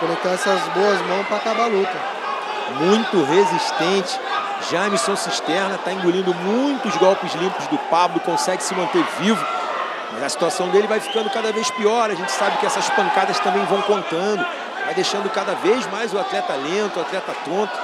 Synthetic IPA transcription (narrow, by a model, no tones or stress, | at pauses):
kolot̪ãɛsɐzboɐzmɐ̃w̃spɾakabalokɐ | mũj̃t̪ʊɦeziʃt̪ẽnt͡ʃɪ̥ | ʒaɐmisɐ̃w̃siʃt̪ɛɾnɐt̪aĩɡulĩnd̪ʊmũj̃t̪ʊzɡɔwpɪzlĩmpʊzd̪ʊpablʊkõsɛɡɪsɪmɐ̃nt̪eɾvivʊ | mɐzɐsi̥t̪uasɐ̃w̃d̪elɪvajfi̥kɐ̃nd̪ʊkad̪ɐvejʃpiɔɾɐʒẽnt͡ʃɪ̥sabɪkɪɛsɐʃpɐ̃ŋkad̪ɐst̪ɐ̃mbẽj̃vɐ̃w̃kõnt̪ɐ̃nd̪ʊ | vajd̪eʃɐ̃nd̪ʊkad̪ɐvejzmajzʊat̪lɛt̪ɐlẽnt̪ʊat̪lɛt̪ɐt̪õnt̪ʊ̥